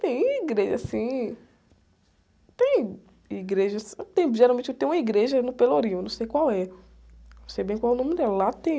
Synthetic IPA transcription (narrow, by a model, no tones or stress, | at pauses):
t̪ẽj̃iɡɾeʒɐ̰sĩ | t̪ẽj̃ | iɡɾeʒɐst̪ẽj̃ʒeɾawmẽnt͡ʃet̪ẽj̃ũmɐiɡɾeʒɐnʊpeloɾĩʊnɐ̃w̃sejkwawɛ | nɐ̃sejbẽj̃kwawɛʊnõmɪɾd̪ɛlɐlat̪ẽj̃